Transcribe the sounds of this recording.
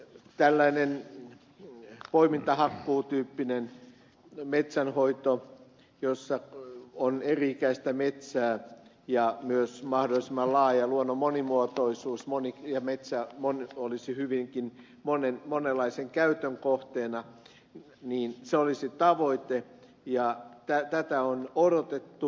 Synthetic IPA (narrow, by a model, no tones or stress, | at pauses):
t̪ælːæinen | poimint̪ɑhɑkːuːt̪yːpːinen | met̪sænhoit̪o | josːɑoneriikæist̪æmet̪sæː | jɑmyøsmɑhdolːˑisemˑːɑllɑːjɑluonːomonimuot̪oisuːsmonijɑmet̪sæmonolisihyʋiŋkin | monenmonelːɑiseŋkæyt̪øŋkoht̪eːnɑ | niːnseolisit̪ɑʋoit̪e | jɑt̪æt̪æt̪æonoɾot̪et̪ːu